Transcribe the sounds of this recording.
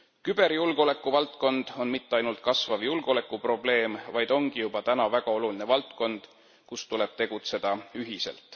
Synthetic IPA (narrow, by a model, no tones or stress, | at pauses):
kyb̥e̞ɾjulɡ̥o̞le̞kˑːuvɑlt̪ko̞nd̪̥o̞nmit̪ˑːeɑjnult̪̚kɑsvɑvjulɡ̥o̞le̞kːˑupro̞ble̞ːmvɑjd̪̥o̞ŋɡ̥ijub̥ɑt̪ænɑvæɡ̥ɑo̞luline̞vɑlt̪ko̞nd̪̥ | kust̪ule̞b̥̚t̪e̞ɡ̥ut̪se̞d̪̥ɑyɦise̞̰lt̪ˑ